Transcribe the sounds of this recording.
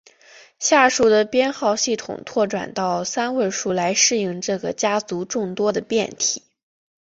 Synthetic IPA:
ɕja˥˧ʂu˥˩d̪ə˩pjɛ˥nxɑ˥˧ʊɕi˥˩t̪ʰʊ̰˨˩ŋt̪ʰwɔ˥˩ʈ͡ʂwa̰˨˩nt̪ɑ˥˩ʊsa˥nwe˥˧ɪʂu˥˩la˧˥ɪʂɻ̩˥˧i˥˧ŋʈ͡ʂɤ˥˩ɡə˩t͡ɕja˥t͡su˧˥ʈ͡ʂʊ˥˩ŋt̪wɔ˥d̪ə˨pjɛ˥˩nt̪ʰḭ˨˩˦

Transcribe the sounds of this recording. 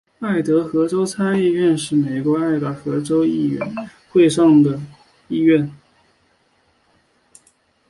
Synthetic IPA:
a˥˩ɪt̪ɤ˧˥xɤ˧˥ʈ͡ʂo˥ʊt͡sʰa˥ni˥˧ɥɛ˥˧nʂɻ̩˥˩me˨˩ɪkwɔ˧˥a˥˩ɪɡɤ˧˥xɤ˧˥ʈ͡ʂo˥ʊi˥˩ɥɛ̰˧˥n | xwe˥˧ɪʂɑ˥˩ŋd̪ə˩ | i˥˧ɥɛ˥˩n

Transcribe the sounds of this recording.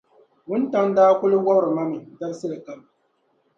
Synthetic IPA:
wʊ˦n˦ta˦n˦daː˦kʷʊ˦lʊ˦wa˦bɾma˦mi˨dɐ˦ɾsi˦la˨ka˦m˨

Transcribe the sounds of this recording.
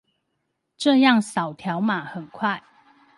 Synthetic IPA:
ʈ͡ʂɤ˥˧jɑ˥˨ŋsɑ˨˩ʊt̪ʰjɑ˨˦ʊma˨˩˦xə˨˩nkʰwa˥˨ɪ

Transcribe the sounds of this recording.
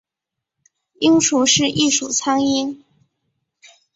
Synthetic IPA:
i˥ŋʂu˥˩ʂɻ̩˥˧ʔi˥˩ʂu˨˩t͡sʰa˥ŋi˥n

